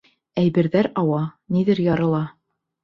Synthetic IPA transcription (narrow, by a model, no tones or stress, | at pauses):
æjbɘ̆ɾðæɾɑwɑniðɘɾjɑɾɤ̆lˠɑ